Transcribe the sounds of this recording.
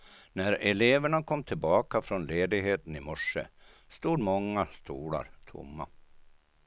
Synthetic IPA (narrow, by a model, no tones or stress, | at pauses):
næɾɛleːvəɳakʰɔmːt̪ʰɪlbɑːkafɾɔnleːd̪ɪɡɦeːt̪ənɪmɔʂːə̰st̪uːd̪mɔŋːast̪ʰuːɭa̰ɾt̪ʰʊ̰mːa̰